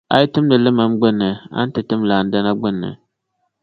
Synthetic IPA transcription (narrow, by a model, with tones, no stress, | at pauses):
a̰˦jɪ˦tɨ˦mdɨ˨lɨ˦ma˨˦mɡ͡bʊ˦nːɨ˨a̰˦n̩˦tɨ˨tɨ˦mlaː˨n̩˦da˦na˦ɡ͡bʊ˦nːɨ̰˨